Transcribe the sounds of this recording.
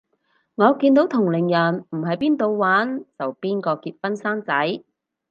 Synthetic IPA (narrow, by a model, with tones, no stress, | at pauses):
ŋɔː˨˧kiː˧nt̪o˨˥wt̪ʰʊ˨˩ŋlɪ˨˩ŋjɐ˨˩nm̩˨˩ɦɐ˨jpiː˥nt̪o˧wwaː˨˥nt͡sɐ˨wpiː˥nkɔː˧kiː˧t̚fɐ˥nsaː˥ŋt͡sɐ˨˥j